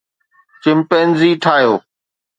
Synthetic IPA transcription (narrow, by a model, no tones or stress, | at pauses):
t͡ʃɪmpeːnziːʈʰaːɦjoː